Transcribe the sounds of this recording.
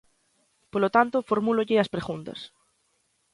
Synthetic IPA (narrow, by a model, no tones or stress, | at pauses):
polot̪ant̪ofoɾmuloʎeaspɾeɣunt̪ɐ̰s